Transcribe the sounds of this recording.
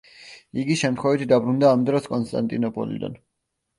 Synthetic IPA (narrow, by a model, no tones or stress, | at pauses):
iɡiʃɛmt̪χwɛvit̪ʰd̪abɾund̪aːmd̪ɾɔskʼɔnst̪ʼa̰nt̪ʼinɔpʼɔ̰lḭd̪a̰n